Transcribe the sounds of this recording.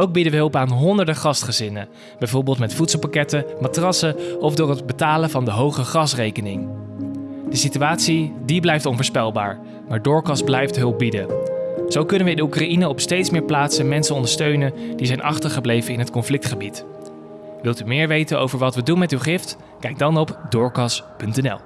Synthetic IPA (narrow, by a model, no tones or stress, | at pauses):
owk̚bidəʋəɦɵlˠpaːnɦɔndəɹdəχɑstχəzɪnə | bɛjvoːɹbɪːlˠtmɛtfutsl̩ˠpakɛtəmatrɑsəɔvdʊːɹɦəd̚bətaːləvɑndəɦowχəχɑsrejkənɪŋ | d̥əsityaːtsidiblɛjftɔnvʊːɹspɛlˠba̰ːɹ | maːɹdʊːɹkɑsblɛjftɦɵlˠp̚bidəz̥owkɵnəʋəɪndəukrainəɔpstejtsmɪːɹplaːtsənmɛnsənɔndəɹstøɥnəndizɛjnʔɑ̰χtəɹχəblejvənɪnɦətkɔnflɪk̚tχəbit | ʋɪlˠtymɪːɹʋejtəno̰wvəɹʋɑtʋədunmɛtywχɪft | kɛjɡ̚dɑnɔpdʊːɹkɑspɵntɛnɛ̰lˠ